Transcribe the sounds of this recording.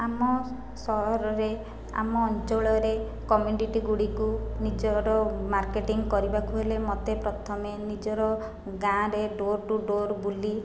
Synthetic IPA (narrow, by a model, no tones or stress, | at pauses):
amɔ | sɔɦɾɔɾe | a̰mɔːnt͡ʃɔɭɔɾe | kɔmjuniʈiɡuɽikunid͡ʒɔɾɔmaɾkeʈiŋɡkɔɾibakuɦelemɔt̪epɾɔt̪ʰɔmenid͡ʒɔɾɔ | ɡãɾeɖoɾʈuɖoɾbuli